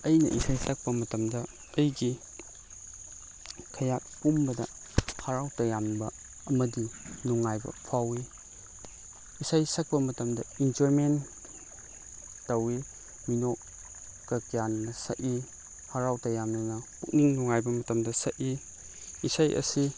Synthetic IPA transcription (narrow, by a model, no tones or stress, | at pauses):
ɐjnɐ̰ʔisajsɐk̚pɐmɐtɐmdɐ | ɐjɡi | kʰɐjat̚pumbɐdɐ̰ | haɾawtɐjambɐ | ɐmɐdinuŋajbɐ̰pʰawi | isajsɐk̚pɐmɐtɐmdɐind͡ʒoɾmen | tɐwi | minok̚ | ɡ̥ɐkijannɐsɐ̰ʔi | haɾawtɐjamnɐnɐpuk̚niŋnuŋajbɐmɐtɐmdɐsɐʔi | isajʔɐ̰si